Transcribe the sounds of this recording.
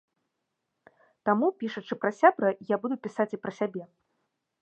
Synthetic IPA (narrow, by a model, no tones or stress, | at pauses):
t̪amupʲiʂɐt͡ʂɨpɾɐsʲabɾɐjabud̪upʲisat͡sʲipɾɐsʲabʲɛ